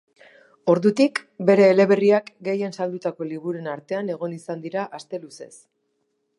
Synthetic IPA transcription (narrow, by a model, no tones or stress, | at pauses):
o̞ɾðut̪ikbe̞ɾe̞ːle̞βe̞riakɡe̞je̞nsald̪ut̪ako̞liβuɾenaɾt̪e̞ane̞ɣo̞nisand̪iɾaʔast̪e̞luse̞̰s